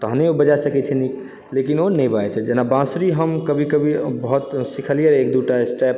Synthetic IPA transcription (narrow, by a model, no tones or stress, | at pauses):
t̪əɦneobəd͡ʒasəkɛt͡ʃʰɛnik | lekinonɛbaɛt͡ʃʰɛd͡ʒenabãsɾiɦəmkəbʱikəbʱibəɦut̪sikʰəlijəɾek̚d̪uʈaesʈɛp